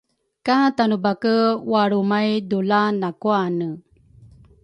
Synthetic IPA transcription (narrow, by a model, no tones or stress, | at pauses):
katanubakəwaɾumajdulanakuanə